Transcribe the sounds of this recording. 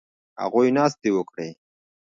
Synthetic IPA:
ha̰ɣujnɑːst̪ewəkɽe

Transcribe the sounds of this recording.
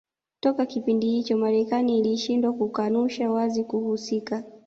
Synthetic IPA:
tɔkakipindihit͡ʃɔmaɾɛkaniːliʃindwakukanuʃawazikuhusika

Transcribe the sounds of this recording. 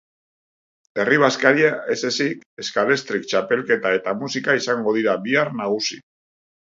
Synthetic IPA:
e̞riβ̞askaɾiae̞se̞sike̞skale̞st̪ɾik̚t͡ʃape̞lke̞t̪ae̞t̪amusikaisaŋɡo̞ð̞iɾaβiarnaɣ̞usi

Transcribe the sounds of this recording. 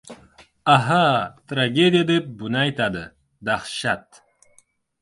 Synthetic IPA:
aɦat̪ɾaɡed̪ijad̪ep̚bunajt̪ad̪ɨ | d̪aχʃat̪

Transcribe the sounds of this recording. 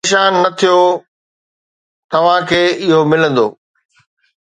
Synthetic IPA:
ʃaːnːɐt̪ʰijo | t̪ɐʋ̤ãkʰeːɪɦomɪlə̃nd̪o̰ː

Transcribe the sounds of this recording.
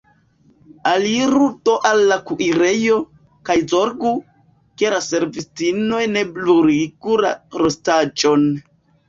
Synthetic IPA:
aliɾuto̞ʔalːakuʔiɾe̞jo̞ | kajzo̞ɾɡu | keɾase̞ɾvistino̞jne̞bluɾiɡuɾa̰ɾostad͡ʒo̞n

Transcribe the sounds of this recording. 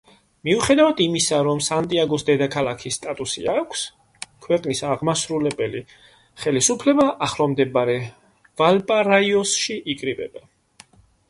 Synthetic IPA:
miuχɛd̪avad̪imisaɾɔmsant̪ʼiaɡɔsd̪ɛd̪akʰalˠakʰisːt̪ʼat̪ʼusḭakʷʰs | kʰwɛqʼnisaʁmasɾulɛbɛli | χɛlisupʰlɛbaʔaχlɔmd̪ɛbaɾɛ | valpʼaɾaiɔsʃiʔikʼɾibɛ̰ba

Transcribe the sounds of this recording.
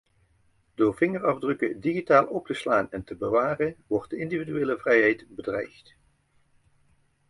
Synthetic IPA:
d̥oːɹv̥ɪŋərɑvdrɵkədiχitaːlˠɔp̚təslaːnɛntəbəʋaːrənʋɔɹt̚dəɪndividyʋeːləvrɛjɦɛjtbədrɛjxt

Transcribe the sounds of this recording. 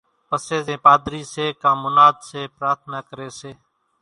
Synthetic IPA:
pəseːẽːpaːd̪ɾiːseːkãːmʊnaːd̪seːpɾaːt̪ʰnaːkəɾeːseː

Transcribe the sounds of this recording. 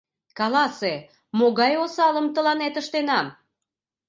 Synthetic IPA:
kɑlɑse | moɣɑjosɑləmt̪əlɑnet̪əʃt̪enɑm

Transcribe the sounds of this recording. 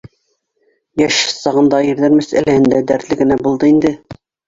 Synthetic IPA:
jæʃsɑʁɤ̆nd̪ɑiɾðæɾmæsæ̰læhɘ̆nd̪æd̪æɾt̪lɘɡɘ̆næbulˠd̪ɤind̪ɘ

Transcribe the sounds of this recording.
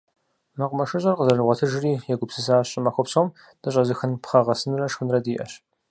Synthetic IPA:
mɐqʷʼʊmɐʃɨɕʼɐrqəzɐrɨʁʷɔtʰɨʒriːjɛɡʷʊpsɨsaːɕʼɪmɐxʷɔpsoːm | d̥ɨɕʼɐzɨxɨnpχɐʁɐsɨnrɐʂxɨnrɐdiːʔɐ̰ɕ

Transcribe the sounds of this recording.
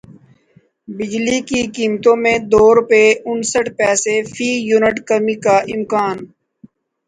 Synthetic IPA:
bɪd͡ʒlikikiːmt̪õmẽd̪oːɾʊpeʊnsəʈpɛːsefʰiːjuːnɪʈkəmikaʔɪmkaːn

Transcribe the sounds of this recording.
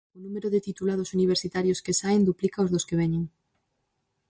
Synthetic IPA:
ʊnũmeɾʊðɪt̪it̪ulað̞ʊsuniβ̞eɾsit̪aɾjoskesaend̪uplikaozðoskeβ̞ɛɲeŋ

